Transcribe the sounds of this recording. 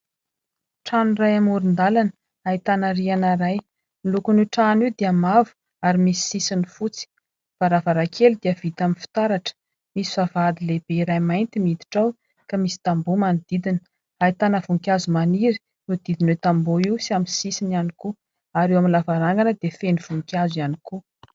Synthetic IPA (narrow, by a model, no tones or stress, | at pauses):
ʈ͡ʂanurajamuɾind̪alanə | ait̪anaɾianaɾaj | nilukunuʈ͡ʂaniwd̪eamavu̥ | aɾimisi̥sisinifut͡si̥ | faɾavaɾakʰelud̪eaəvit̪aminfi̥t̪aɾaʈ͡ʂə̥ | misi̥vavad̪ileb̥eiɾajmajnt̪imid̪i̥ʈ͡ʂaw | kamisi̥t̪ambumanid̪id̪inə | ait̪anəvuŋkʲjazumaniɾi̥ | nud̪id̪inwet̪amboiwsiaminsisinianiku | aɾewaminlavaɾaŋɡanəd̪efeniv̥uŋkʲjazianiku